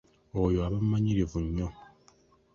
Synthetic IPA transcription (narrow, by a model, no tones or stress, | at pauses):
ɔjoabamːaɲiɾevunːɔ